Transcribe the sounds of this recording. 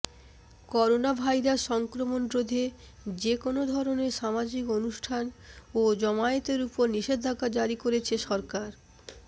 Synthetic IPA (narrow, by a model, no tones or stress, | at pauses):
kɔɾonabʱajɾaʃɔŋkɾomond̪ɾod̪ʱe | d͡ʑekonod̪ʱɔɾoneɾʃamad͡ʑikonuʃʈʰanod͡ʑɔmaet̪eɾupoɾniʃed̪ʱakad͡ʑaɾikoɾet͡ɕʰeʃɔɾkaɾ